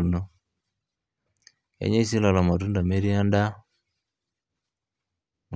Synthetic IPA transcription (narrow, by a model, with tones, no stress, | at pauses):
no˦ | ḛ˨˦ɲe˦si˦la˨la˨ma˨tu˦nda˨me˦ɾi˦a˦nda˦˨